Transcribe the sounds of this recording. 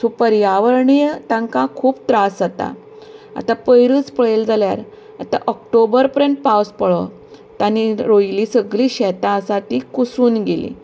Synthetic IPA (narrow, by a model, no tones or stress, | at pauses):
supəɾjaʋəɾɳit̪ãŋkakʰuːpt̪ɾasd͡zat̪a̰ | a̰t̪apəjɾɨːt͡spəɭeld͡zaljaɾ | at̪a̰ʔɔk̚ʈobəɾpəɾjəɳʈ̚pawspəɭɔ̰ | t̪aniɾojliːsəɡliːɕɛt̪ãːsat̪iːkusuːnɡelḭ